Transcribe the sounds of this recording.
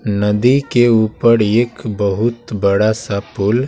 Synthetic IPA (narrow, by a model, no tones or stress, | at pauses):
nəd̪ikeuːpəɾeːkbəɦʊt̪bəɽasapul